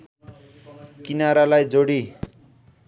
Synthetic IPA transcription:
kinaɾalajd͡zoɽi

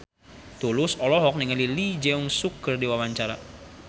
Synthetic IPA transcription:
t̪ulʊsɔlɔɦɔk̚niŋəlilid͡ʒɛuŋsukərdiwawaɲt͡ʃaɾa

